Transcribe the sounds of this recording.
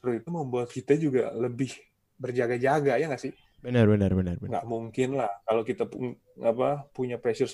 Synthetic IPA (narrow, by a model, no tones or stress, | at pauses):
t̪əɾsit̪uməmbuat̪̚kit̪ad͡ʒuɡa̰ləbɪh | bərd͡ʒaɡad͡ʒaɡajaŋɡasɪh | bənərbənərbənərbəŋɡa̰ʔmuŋkɪnlahkalokit̪apu | apapuɲapɾeʃərs